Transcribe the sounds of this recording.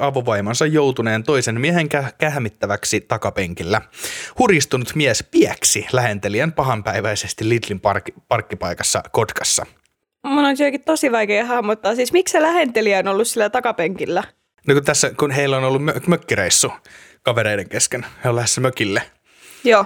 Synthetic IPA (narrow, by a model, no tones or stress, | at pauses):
ɑʋoʋɑimɑnsɑjjowt̪uneːnt̪oisenmieheŋkækæhmit̪ːæʋæksit̪ɑkɑpeŋkilːæhurjist̪unut̪miæspiæksilæhe̞nt̪eliænpɑɦɑmpæiʋæisest̪ilːit̪limpɑrkipɑrkːipɑikɑsːɑ̰kot̪kɑsːɑ̰ | munonsyøkit̪t̪osiʋɑikeːhɑhmːot̪ːɑːsiːsmikselæhent̪eliæonolːussilːæt̪ɑkɑpeŋkilːæ | nokut̪æsːækunɦeilːonolːummømøkːiɾeisːukɑʋeɾeideŋkeskenheolæhesːæmøkilːe | joː